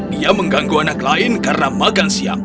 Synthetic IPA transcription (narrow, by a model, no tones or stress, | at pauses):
diaməŋɡaŋɡoanaklaɪnkarnamakansia̰ŋ